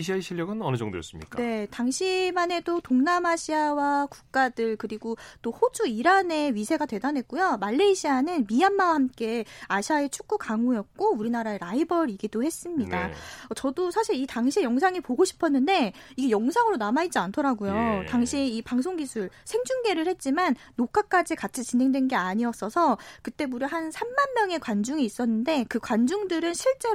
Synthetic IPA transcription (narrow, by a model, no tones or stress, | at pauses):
ɕʰiaeɕʰiʎjʌɡɯnʌnɯd͡ʑʌŋdo̰jʌ̰s͈ɯmɲḭk͈ane̞taŋɕʰimane̞dotoŋnamaɕʰiawaku̥k̚k͈adɯɭkɯɾiɡot͈ohod͡ʑuiɾane̞ɥisʰe̞ɡatwe̞danɦe̞k̚k͈ujomaɭːeiɕʰianɯnmianmawahamk͈e̞aɕʰiaet͡ɕʰu̥k̚k͈ukaŋujʌk̚k͈ouɾinaɾaeɾaibʌɾiɡidohe̞s͈ɯmɲidaʌt͡ɕʌdosʰaɕʰiɾitaŋɕʰiejʌŋsʰaŋipoɡoɕʰi̥pʰʌnːɯnde̞iɡe̞jʌŋsʰaŋɯɾonamait̚t͡ɕ͈iantʰʌɾaɡujotaŋɕʰiipaŋsʰoŋɡisʰuɭsʰe̞ŋd͡ʑuŋɡe̞ɾɯɭhe̞t̚t͡ɕ͈imanːokʰak͈ad͡ʑikat͡ɕʰit͡ɕine̞ŋdwe̞nɡe̞aɲiʌs͈ʌsʰʌkɯt͈e̞buɾjohansʰamːanmjʌŋe̞kwand͡ʑuŋiːs͈ʌnːɯnde̞kɯkwand͡ʑuŋdɯɾɯnɕʰiɭt͡ɕ͈e̞